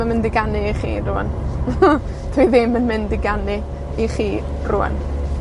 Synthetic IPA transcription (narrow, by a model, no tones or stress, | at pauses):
əmɪndɪɡanɨiχḭːrʊə̰n | tʰiðɪmːənmɪndɪɡanɪ | iχiː | rʊ̰ə̰n